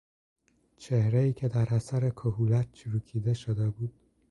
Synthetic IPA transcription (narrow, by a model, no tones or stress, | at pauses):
t͡ʃʰehɾeiːcʰe̞d̪æɾæsæɾekʰoɦuːlæt̪̚t͡ʃʰuɾuːkʰiːd̪eʃod̪ebuːd̪̥̚